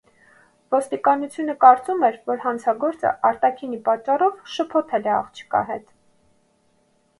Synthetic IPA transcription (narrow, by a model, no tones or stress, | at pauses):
vɔst̪ikɑnut͡sʰjunəkɑɾt͡sumɛɾvɔɾhɑnt͡sʰɑɡɔɾt͡sə̰ʔɑɾt̪ɑkʰinipɑt͡ʃːɑrɔvʃəpʰɔp̪ʰɛlɛɑ̰χt͡ʃʰə̥kɑ̰ɦɛ̰t̪